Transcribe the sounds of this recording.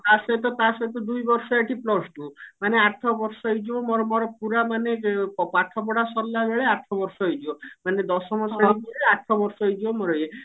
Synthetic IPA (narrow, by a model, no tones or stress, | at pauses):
t̪aset̪ɔt̪asɔt̪ɔd̪ujbɔɾsɔeʈʰiplɔsʈumaneaʈʰɔbɔɾsɔid͡ʒiɔmɔɾɔmɔɾɔpuɾamaneɔpaʈʰɔp̬ɔɽasɔɾlːabeɭeaʈʰɔbɔɾsɔejd͡ʒiɔmaned̪ɔsɔmɔsɔbeɭeaʈʰɔbɔɾsɔid͡ʒiɔmɔɾɔje